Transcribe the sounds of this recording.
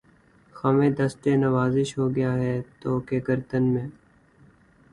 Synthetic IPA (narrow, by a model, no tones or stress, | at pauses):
xɐmẽːd̪ɐsʈenɐʋaːzɪʃɦoɡɐjaːɦɛːt̪oːkeɡəɾd̪ənmẽː